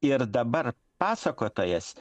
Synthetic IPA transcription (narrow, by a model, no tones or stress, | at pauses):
ɪɾd̪ɐbɐɾ | pɑːsɐkoːt̪oːjɛs